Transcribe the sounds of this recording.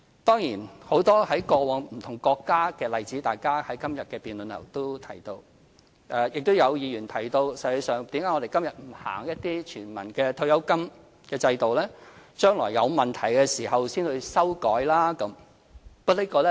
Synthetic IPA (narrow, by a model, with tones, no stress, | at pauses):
t̪ɔː˥ŋjiː˨˩nho˨˥wt̪ɔː˥hɐ˨˥jkɔː˧wɔː˨˧ŋm̩˨˩t̪ʰʊ˨˩ŋkɔː˧kːaː˥kɛː˧lɐ˨jt͡siː˨˥t̪aː˨jkaː˥hɐ˨˥jkɐ˥mjɐ˨t̚kɛː˧piː˨˧nlɵ˨nlʰɐ̰˨˩wt̪o˥wt̪ʰɐ˨˩jt̪o˧w | ʔɛː˧jɪ˨k̚t̪o˥wjɐ˨˧wjiː˨˧jyː˨˩nt̪ʰɐ˨˩jt̪o˧wsɐ˨˧je˨˧sœː˨ŋt̪iː˨˥mkaː˨˥jŋɔː˨˧e˨˩jkɐ˥mjɐ˨t̚m̩˨˩ha̰ː˨˩ŋjɐ˥t̚t̪iː˥t͡ʃʰyː˨˩nmɐ̰˨˩nkɛː˧t̪ʰo˧wjɐ˨˥wkɐ˥m | kɛː˧t͡sɐ˧jt̪o˨wlɛː˥t͡ʃœː˥ŋlɔː˨˩jːɐ˨˧wmɐ˨nt̪ʰɐ˨˩jkɛː˧siː˨˩ɦɐ˨wsiː˥nhɵ˧ɥsɐ˥wkɔː˨˥jlaː˥kɐ˨˦˥m | pɐ˥li˥kɔː˧lɛ˥